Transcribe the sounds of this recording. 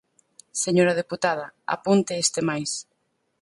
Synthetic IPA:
seɲoɾɐð̞eput̪að̞ɐa̰punt̪eest̪emajs

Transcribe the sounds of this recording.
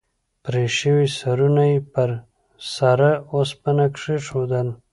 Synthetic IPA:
pɾeʃiwisaɾunajpəɾ | saɾaospənakʂiʂod̪əl

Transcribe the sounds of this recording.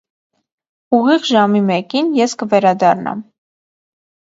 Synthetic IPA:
uʁiʁʒɑmimɛkinjɛskəvɛɾɑd̪ɑrnɑ̰m

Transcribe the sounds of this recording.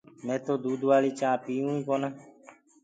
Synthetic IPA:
mẽːt̪oːd̪uːd̪ʋaːliːt͡ʃãːpiːũːĩːkoːnãː

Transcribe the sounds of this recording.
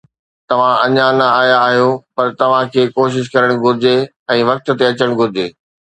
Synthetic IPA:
t̪ɐʋ̤ãʔɐɲanɐaːjaːɦijopɐɾt̪ɐʋ̤ãkʰeːkoːʃ̬ɪʃ̬kɐɾəɽ̃ɡʱʊɾɪd͡ʑe | ɛ̃ːʋɐk̚t̪̆t̪eɐt͡ɕəɽ̃ɡʱʊɾɪd͡ʑeː

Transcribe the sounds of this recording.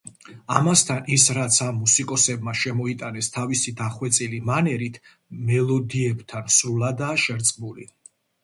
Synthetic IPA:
amast̪ʰanisɾat̪sʰamːusikʼɔsɛbmaʃɛmɔit̪ʼanɛst̪ʰavisid̪aχwɛt̪sʼilimanɛɾit̪ʰ | mɛlˠɔd̪iɛbt̪ʰansɾulˠad̪aʃɛɾt̪sʼmulḭ

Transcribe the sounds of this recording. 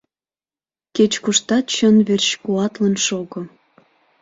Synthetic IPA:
ket͡ɕkuʃt̪ɑt̪ɕonβerɕkuɑt̪lənʃoɣŏ

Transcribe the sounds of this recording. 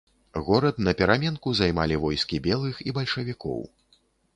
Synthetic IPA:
ɣɔɾɐt̪nɐpʲɛɾamʲɛnkuzajmalʲivɔjskʲibʲɛlˠɨxibɐlʲʂɐvʲikɔ̰w

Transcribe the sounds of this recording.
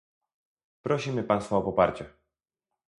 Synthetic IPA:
pɾɔɕimɘpansfɔɔpɔpaɾt͡ɕɛ

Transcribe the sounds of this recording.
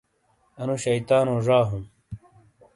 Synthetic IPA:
ɐnuɕɐjt̪aːnõːʐaːɦum

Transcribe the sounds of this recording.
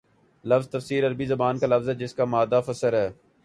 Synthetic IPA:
lɐfzt̪ɐfsiːɾɐɾbizɐbaːnkalɐfzɦɛːd͡ʒɪskamaːd̪afəsəɾɦɛː

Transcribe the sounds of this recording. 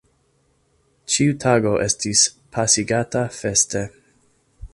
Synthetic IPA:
t͡ʃiutʰaɡo̞ʔestispʰasiɡatafeste

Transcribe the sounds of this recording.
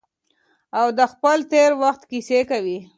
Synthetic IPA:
awd̪əxpəlt̪eɾwaxt̪kisekawi

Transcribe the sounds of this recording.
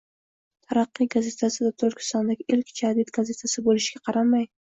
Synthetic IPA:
t̪ʰaɾɑqːijɡaze̞t̪ʰasɪd̪at̪ʰoɾkʲʰɪ̥st̪ɒnd̪aɡʲɪɪlkʲd͡ʒad̪id̪ɡaze̞t̪ʰasɪbolɪʃɡʲaqʰɑɾamaj

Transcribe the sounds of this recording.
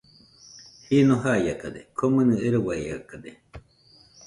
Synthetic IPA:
hinõɦajakad̪ekʰomɨnɨ̃eɾowaija̰kad̪e

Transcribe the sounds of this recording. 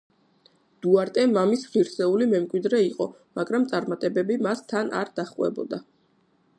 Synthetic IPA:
d̪̥uaɾt̪ʼɛmamisʁiɾsɛulimɛmkʼwid̪ɾɛiqʼɔ | maɡɾamt̪sʼaɾmat̪ʼɛbɛbimast̪ʰana̰ɾd̪̥aχqʼwɛ̰bɔ̰d̪a

